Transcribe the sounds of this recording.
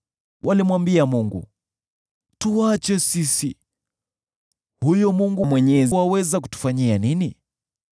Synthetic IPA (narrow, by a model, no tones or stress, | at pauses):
wʔalimwambiamuŋɡṵ | tuwat͡ʃɛsisi | hujɔmuŋɡumwɛɲɛziwawɛzak̬u̥tu̥faɲianini